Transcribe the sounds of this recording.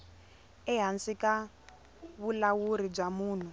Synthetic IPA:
ɛɦansika | βulawuɾib͡ʐamuːn̤u

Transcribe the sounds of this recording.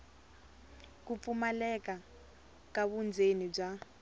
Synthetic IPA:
kup̪fumalɛka | kaβund͡zʱenib͡ʐa

